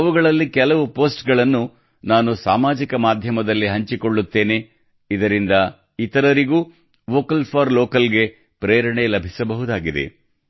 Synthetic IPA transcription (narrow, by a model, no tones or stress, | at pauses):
ɐʋuɡɐɭɐlːikɛlɐʋupo̞ːsʈɡɐɭɐnːu | naːnusaːmaːd͡ʒikɐmaːd̪ʱjɐmɐd̪ɐlːiɦɐɲt͡ʃiko̞ɭːut̪ːe̞ːne̞ | id̪ɐɾind̪ɐ | it̪ɐɾɐɾiɡuː | ʋoːkɐlpʰaːɾloːkɐlɡe̞ | pɾeːɾɐɳelɐbʱisɐbɐɦud̪aːɡid̪e̞̰